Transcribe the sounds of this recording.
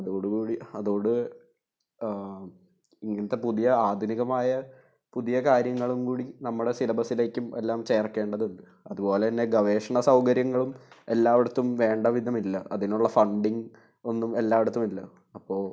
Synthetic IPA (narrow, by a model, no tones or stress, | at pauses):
ɐðuoːɽukuːɽiɐðoːɽɨ | iŋːɐnɐt̪ːe̞puðijɐaːd̪ʱuniɣɐmaːjɐ | puðijɐkaːɾjɐŋːɐɭumkuːɽinɐmːuɽe̞silɐbʱɐsile̞ːkːume̞̰lːaːmt͡ɕe̞ːrkːe̞ːɳɖɐðuɳɖɨ | ɐðubo̞ːleɐnːe̞ɡɐʋe̞ːʂɐɳɐsɐwkɐɾjɐŋːɐɭume̞lːaːʋiɽut̪ːumʋe̞ːɳɖɐʋid̪ʱɐmilːɐʔɐ̰ðinuɭːɐfɐɳɖiŋɡ | o̞nːume̞lːaːʋiɽut̪ːumilːɐ | ɐpːo̞ːɭ